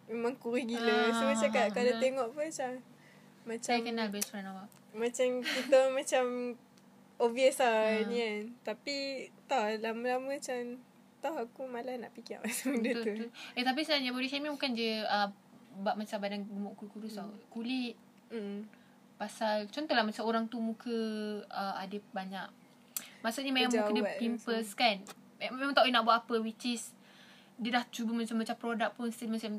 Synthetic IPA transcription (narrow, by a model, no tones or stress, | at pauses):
memãŋkuɾihɡiləsumat͡ʃakakadaeŋɔʔpət͡ʃa | mat͡ʃakənalbɛspuɾanawaʔ | mat͡ʃamkit̪əmat͡ʃam | oviəsainikant̪apit̪ɔhlamə̃lamə̃t͡ʃam | t̪ahakumalahna̰ʔpikia̰ʔmasamdəuuuet̪ap̬isənaɲaboɾisamibukand͡ʒəə | baʔ̚mat͡ʃambadanbəmuʔkuukuɾusakuliʔ̩̚ | pasalt͡ʃɔnt̪ɔhlahmat͡ʃamoɾaŋt̪umukʰəəadəbaɲak | masuʔɲəmemamukədiəimpəskan | memãŋt̪ainaʔbuaʔapəwit͡ʃis | diədaht͡ʃubəmat͡ʃamːat͡ʃampɾodak̚pʊnst̪ilimasam